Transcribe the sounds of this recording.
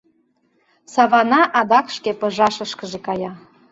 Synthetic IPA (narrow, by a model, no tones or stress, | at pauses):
sɑβɑnɑʔɑd̪ɑkʃkepə̆ʒɑʃəʃkəʒekɑjɑ